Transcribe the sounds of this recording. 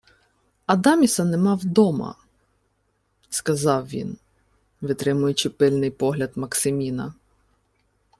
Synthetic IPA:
ɐd̪ɑmʲisɐnɛmɑwd̪ɔmɐ̰ | skɐzɑwʋʲḭn | ʋɪt̪ɾɪmʊjʊt͡ʃɪpɪlʲnɪjpɔɦlʲɐd̪mɐksɪmʲinɐ̰

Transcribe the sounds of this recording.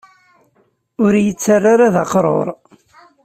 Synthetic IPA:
ʊɾjət͡sːarːaɾaðaqɾˤo̰ɾˤ

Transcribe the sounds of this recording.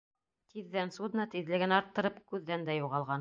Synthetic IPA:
t̪ʰiðːænsud̪ɤnɑt̪iðlɘ̆ɡɘnɑɾt̪ːɤ̆ɾɤpkʉðːænd̪æjuʁɑlˠʁɑn

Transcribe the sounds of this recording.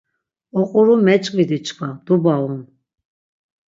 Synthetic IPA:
ɔqʼuɾumɛt͡ʃʼqʼvid̪it͡ʃʰʼkʰʼad̪̥ubalun

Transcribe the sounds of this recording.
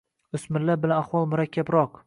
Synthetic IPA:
ʊsmɪlːabɪlanaχwɒlˠmʊɾakʲʰːabɾɒq

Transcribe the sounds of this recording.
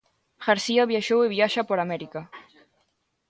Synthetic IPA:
xaɾsiaβjaʃoweβjaʃapoɾamɛɾika

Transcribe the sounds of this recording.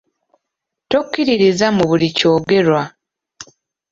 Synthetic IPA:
tokːiɾiɾizamuβulico̞ːɡe̞ɾwa

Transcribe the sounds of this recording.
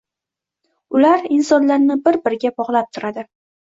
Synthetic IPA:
ʊlaɾɪnsɒnlaɾnɪbɪɾbɪɾɡʲabɒʁlˠap̚t̪ʰʊɾad̪ɪ

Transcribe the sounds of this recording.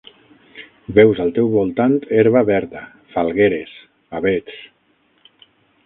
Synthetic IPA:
bɛwzalˠt̪ɛwβulˠt̪ant̪eɾβaβɛɾða | falˠɣeɾes | aβet͡s

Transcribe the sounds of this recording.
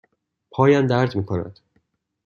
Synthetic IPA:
pʰɒːjænd̪æɾt̪miːkʰonæ̰d̪̥

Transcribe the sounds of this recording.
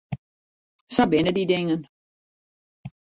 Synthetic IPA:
sɔbɪnədidɪŋən

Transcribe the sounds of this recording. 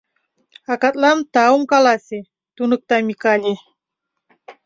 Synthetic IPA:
akat̪̚lamt̪aumkalase | t̪unək̚t̪amikalʲe

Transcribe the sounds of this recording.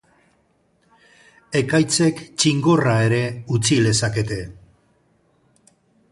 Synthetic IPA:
e̞kajt͡se̞kt͡ʃiŋɡo̞rae̞ɾe̞ut͡sile̞sake̞t̪e̞

